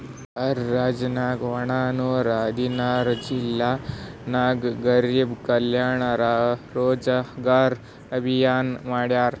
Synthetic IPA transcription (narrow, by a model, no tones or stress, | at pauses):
ɐɾːaːd͡ʒnaːɡʋɐɳ̃aːnoɾad̪inaɾd͡ʒilːanaːɡɡɐɾibkəljaɳaɾaɾoːd͡zaɡaːɾ | ɐbʱijaːnmaɽjaːɾ